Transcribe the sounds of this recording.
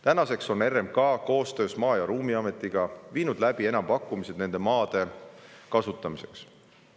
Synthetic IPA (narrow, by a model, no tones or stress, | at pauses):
t̪ænɑse̞kso̞ne̞rːemkɑːko̞ːst̪ø̞ːsmɑːjɑɾuːmiɑme̞t̪ːˑiɡ̥ɑviːnud̪læb̥ie̞nɑmpɑkːˑumise̞d̪̥ne̞nd̪e̞mɑːd̪̥e̞kɑsut̪ːˑɑmise̞̰ks